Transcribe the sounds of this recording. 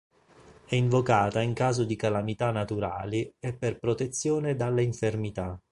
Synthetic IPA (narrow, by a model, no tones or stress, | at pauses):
ɛiɱvokaːt̪aiŋkaːzod̪ikalamit̪anːat̪uɾa̰ːliɛpːerpɾot̪et̪sːjoːned̪alːaiɱfermit̪a